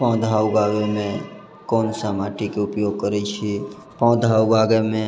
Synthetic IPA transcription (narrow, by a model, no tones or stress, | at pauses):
pɔ̃ːd̪ʱaːwɡaːɡemẽ | koːnsamaʈikeʊpjoːɡ̚kəɾet͡ʃʰi | pɔ̃ːd̪ʱaːwɡaɡemẽ